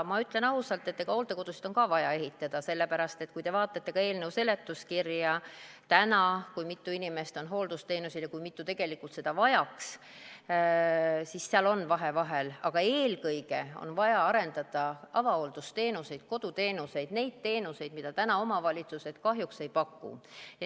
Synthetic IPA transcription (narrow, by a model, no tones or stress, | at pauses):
mɑyt̪ˑle̞nɑɦusɑlt̪ːˑet̪ːeɡ̥ɑo̞ːlt̪eko̞d̪usi̥d̪̥o̞nkɑvɑjɑe̞ɦit̪ːˑɑd̪̥ɑse̞lːe̞pæɾɑst̪e̞t̪̚kujt̪e̞vɑːt̪ːˑɑt̪ːe̞kɑe̞ːlne̞wse̞le̞t̪ːˑuskirjɑt̪ænɑkujmit̪ːuinime̞st̪o̞nɦo̞ːld̪ust̪e̞ːnusilekujmit̪ːˑut̪e̞ɡ̥e̞likːult̪se̞d̪ɑvɑjɑks | sisːeɑlo̞nːvɑɦe̞vɑɦe̞lɑ̰ɡ̥ɑe̞ːlkɤjɡe̞o̰nvɑjɑɑɾe̞nd̪̥ɑd̪̥ɑʔɑvɑo̞ld̪̥ust̪e̞ːnuse̞jd̪̥̚ko̞d̪̥ut̪e̞ːnuse̞jd̪̥ne̞jd̪̥̚t̪e̞ːnuse̞jd̪̥mid̪̥ɑt̪ænɑo̞mɑvɑlʲit̪suse̞t̪kɑɦjukse̞jpɑkːṵ